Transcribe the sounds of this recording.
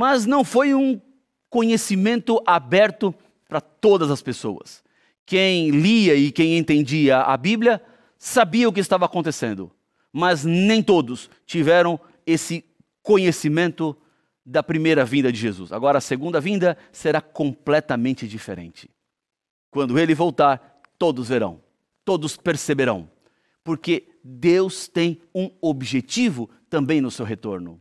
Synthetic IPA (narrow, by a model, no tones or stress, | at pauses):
mɐznɐ̃w̃fojũ | kõɲesimẽnt̪ʊʔabɛɾt̪ʊ | pɾɐt̪od̪ɐzɐspeso̰wɐ̰s | kẽj̃liɐɪkẽj̃ẽnt̪ẽnd͡ʒiɐʔa̰biblʲjɐ | sabiɐʊk̬ɪst̪avɐaːkõnt̪esḛ̃nd̪ʊ̰ | mɐznẽj̃t̪od̪ʊs | t͡ʃivɛɾɐ̃w̃ | esɪ | kõɲesimẽnt̪ʊ | d̪ɐpɾimejɾɐvĩnd̪ɐd͡ʒɪʒezṵsa̰ɡɔɾɐːseɡũnd̪ɐvĩnd̪ɐ | seɾakõplɛt̪ɐmẽnt͡ʃɪd͡ʒifḛɾḛ̃nt͡ʃɪ̥ | kwɐ̃nd̪ʊelɪvowt̪aɾ | t̪od̪ʊzveɾɐ̰̃w̃ | t̪od̪ʊspeɾsebeɾɐ̰̃w̃ | poɾke | d̪ewst̪ẽj̃ũobiʒet͡ʃivʊ | t̪ɐ̃bẽj̃nʊsewɦet̪oɾnʊ̰